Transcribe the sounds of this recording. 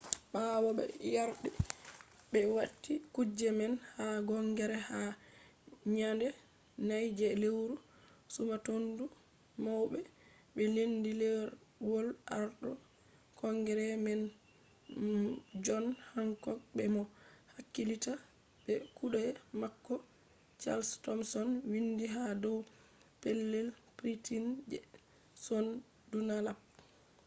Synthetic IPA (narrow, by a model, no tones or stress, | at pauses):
ɓaːwɔɓɛ̰jaɾɗɛ | ɓɛwatːikud͡ʒɛmɛnhaɡɔŋɡɛɾɛha | ɲandɛ | najd͡ʒɛlewɾu | sumatondu | mɔwɓɛ | ɓɛlendilɛɾwɔlaɾɗɔ | kɔŋɡɛɾɛmɛn | d͡ʒɔnhaŋkɔk̚bɛmɔhakːilita | bɛkuɗamakːɔ | t͡ʃa̰lstɔmsɔnwindiɦadɔw | pɛlːɛlpɾitind͡ʒɛ | sɔn | dunalap̚